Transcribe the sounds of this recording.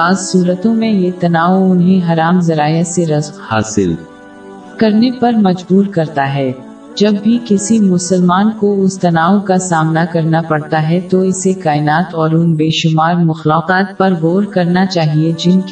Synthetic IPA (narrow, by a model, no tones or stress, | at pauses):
baːzsuːɾət̪õmẽjet̪ɐnaːoʊnɦẽɦɐɾaːmzɐɾaːjaseɾɐsmha̰ːsɪ̰l | kɐɾnepɐɾmɐd͡ʒbuːɾkɐɾt̪aɦɛː | d͡ʒɐbːʱikɪsimʊsəlmaːnkoʊst̪ɐnaːokasaːmnakɐɾnapɐɽt̪aɦɛt̪oɪsekaːɪnaːt̪ɔːɾʊnbeːʃʊmaːɾmʊxləqaːt̪̚pɐɾɣoːɾkɐɾnat͡ʃaːɦied͡ʒɪnk